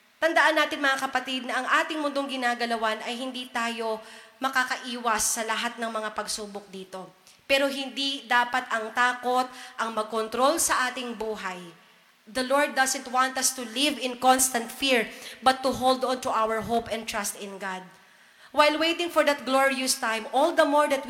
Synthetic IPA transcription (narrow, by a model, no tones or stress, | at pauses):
t̪ɐnd̪ɐʔanːaːt̪ɪnmɐŋakɐpɐt̪id̪̚nɐʔɐŋʔaːt̪ɪŋmʊnd̪oŋɡɪnaːɡɐlɐwanɐjɦɪnd̪iːt̪aːjo̞mɐkakɐʔiːwɐsːɐlɐɦat̪̚nɐŋmɐŋapɐɡsuːbok̚d̪iːt̪o̞ | pɛːɾo̞ɦɪnd̪id̪aːpɐt̪ɐŋt̪aːko̞t̪̚ʔɐŋmɐɡ̚kont̪ɾo̞lsɐʔaːt̪ɪŋbuːɦɐj | d̪ɐloɹd̪̚ːɐsɛnt̪̚want̪ɐst̪ʊlɪvɪ̃nkɔnst̪ɐnt̪fiɹbɐt̪ːʊɦold̪ɔnt̪uʔawəɹɦopɛ̃nt̪ɹast̪ɪ̃nɡad̪̚ | wajlwejt̪ɪ̃ŋfɔɹd̪ɐt̪̚ɡloɹiʊst̪ãjmʔɔld̪ɐmoɹd̪ɐt̪̚w